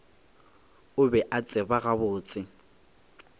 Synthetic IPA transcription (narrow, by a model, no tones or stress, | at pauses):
ʊbɛʔat͡sʼɪbaɣabʊːt͡sʼɪ